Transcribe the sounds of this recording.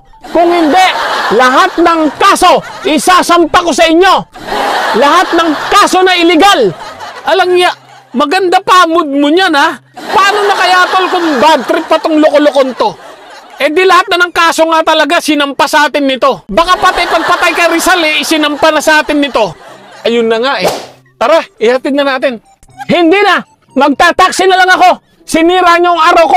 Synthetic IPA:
kʊŋhɪnd̪ɛʔlɐɦat̪̚nɐŋkaːso̞ʔɪsaːsɐmpakosɐʔɪɲːo̞ | lɐɦat̪̚nɐŋkaːso̞nɐʔɪlɪɡalʔɐlɐŋjaʔ | mɐɡɐnd̪apamʊd̪̚mʊɲanɐ | paːnonɐkɐjaːt̪olkʊŋbat̪ɾɪpɐt̪oŋlokolokont̪o̞ | ʔɛd̪ɪlɐhat̪̚nɐnɐŋkaːsoŋat̪ɐlɐɡasɪnɐmpasɐʔaːt̪ɪnːɪt̪o̞bɐkapat̪ajpɐɡ̚pɐt̪ajkɐɾɪsalɛʔɪsɪnɐmpanɐsɐʔaːt̪ɪnːɪt̪o̞ʔɐjʊnːɐŋaʔɛ | t̪aɾaɪhɐt̪ɪd̪nɐnaːt̪ɪn | hɪnd̪inɐ | mɐɡ̚t̪aːt̪aksɪnɐlɐŋɐko̞ | sɪniːɾaɲaʊŋaːɾɐwko

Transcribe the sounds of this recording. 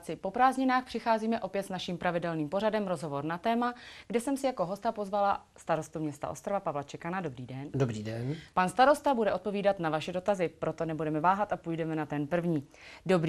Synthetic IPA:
t͡sɪpo̞pɾaːzɲɪnaːxpr̥ɪxaːziːmɛʔo̞pjɛt̪snaʃimpɾʔavɪdɛlniːmpo̞ɾadɛmɾo̞zɦo̞vo̞ɾnat̪ɛːmaɡdɛsɛmsɪjako̞ɦo̞st̪apo̞zvala | st̪aɾo̞st̪umɲɛst̪a̰ʔo̞st̪ɾavapavlat͡ʃɛkanadobɾiːdɛndobɾiːdɛnpanst̪aɾo̞st̪abudɛo̞t̪̚po̞viːdat̪navaʃɛdo̞t̪azɪpɾo̞t̪onɛbudɛmɛvaːɦat̪apujdɛmɛnat̪ɛnpr̩vɲiːdo̞bɾ

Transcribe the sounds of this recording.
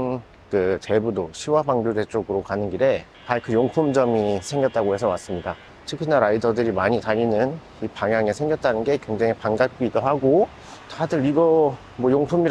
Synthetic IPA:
n | kɯt͡ɕe̞budoɕʰiwabaŋɡjod͡ʑe̞t͡ɕ͈oɡɯɾokanɯnɡiɾe̞ | paɭkʰɯjoŋpʰumd͡ʑʌmisʰe̞ŋɡjʌt̚t͈aɡohe̞sʰʌwas͈ɯmɲida | tʰɯkʰinaɾaidʌdɯɾimaɲitaʎinɯn | ipaŋjaŋe̞sʰe̞ŋɡjʌt̚t͈anɯnɡe̞kwe̞ŋd͡ʑaŋipaŋɡak̚k͈iːdoɦaɡo | tadɯɾiɡʌ | mwʌjoŋpʰumiɾ

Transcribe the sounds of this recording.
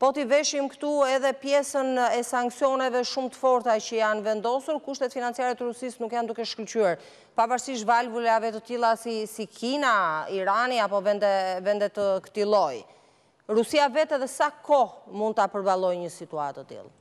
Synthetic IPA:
pɔt̪ivɛʃimkə̥t̪uɛðɛpjɛsənɛsaŋksjɔnɛvɛʃumt̪ə̥fɔɾt̪acəjanvɛnd̪ɔsuɾkuʃt̪ɛt̪finant͡sijaɾɛt̪əɾusisnukjand̪ukɛʃkəlt͡ʃyaɾ | pavaɾsiʃ̬valvulɛavɛt̪ət̪ilˠasisikinaiɾaniapɔvɛnd̪ɛvɛnd̪ɛt̪əkə̥t̪ilˠɔj | ɾusiavɛt̪ɛðɛsakɔmũnd̪̚t̪apəɾbalˠɔjɲəsit̪ua̰t̪ːət̪ḭlˠ

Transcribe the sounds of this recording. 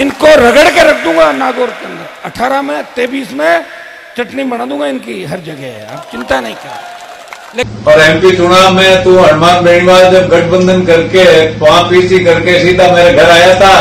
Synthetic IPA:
ɪnkoɾɐɡəɽkeɾɐk̚ʰd̪ũːŋɡanaːɡoːɾkɐ̃nd̪ɐʈʰaːɾamẽt̪eːbiːsmẽ | t͡ʃɐʈnibɐnãːd̪ũːŋɡaɪnkiɦɐɾd͡ʒɐɡɛɦɛ̰a̰ːpt͡ʃɪ̃nt̪anɐɦĩkɐ | lepɔɾɛ̃ːmpit͡ʃʊɽ̃amɛ̃t̪ũɐɽmãːnbeːɳ̃ɪʋaːd̪ɡɐʈʰbə̃nd̪ʱənkɐɾket̪ʋãpiːsikɐɾkesit̪ameːɾaɡʱɐɾaːjat̪ʰaː

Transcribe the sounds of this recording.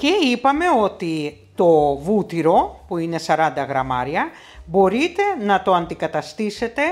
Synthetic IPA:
ce̞ipɐme̞o̞t̪i | t̪o̞vut̪iɾo̞puine̞sɐɾɐnd̪ɐɣɾɐmɐ̰ɾiɐ | bo̞ɾit̪e̞nɐt̪o̞ɐnd̪ikɐt̪ɐst̪ise̞t̪e̞

